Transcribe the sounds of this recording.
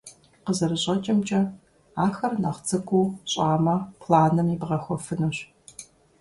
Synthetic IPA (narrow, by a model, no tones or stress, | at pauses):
qəzɐɾɨɕʼɐt͡ʃʼɐmt͡ʃʼɐ | aːxɐrnaːχt͡sɨkʷʰʼuɕʼaːmɐpʰlaːnɨmibʁɐxʷɔfɨnɨɕ